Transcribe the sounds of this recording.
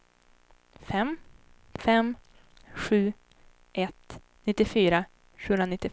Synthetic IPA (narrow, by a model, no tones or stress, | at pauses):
fɛm | fɛm | ɧʉ̟ː | ʔɛt̪ | nɪt̪ːɪfyːɾa | ɕʉɵnɾanɪt̪ːɪ